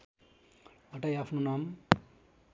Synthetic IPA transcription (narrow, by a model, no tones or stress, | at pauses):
ʌʈajapʰnonam